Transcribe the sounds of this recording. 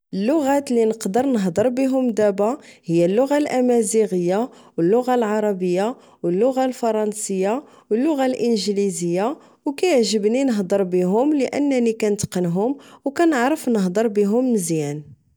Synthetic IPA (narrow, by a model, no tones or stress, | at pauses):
ʔəlːʊɣæt̪linəqd̪əɾnəɦd̪ˤəɾˤbiɦʊmd̪æbahəjːælːʊɣalʔæmæziɣəjːa | wəlːʊɣalʕɑɾˤɑbəjːa | wəlːʊɣalfɑɾˤɑnsəjːa | wəlːʊɣalʔənʒlizəjːa | wkæjəʕʒəbninəɦd̪ˤəɾˤbiɦʊmləʔə̰nːænikænət̪qənɦʊmwkænəʕɾəfnəɦd̪əɾˤbiɦʊmnəzjæn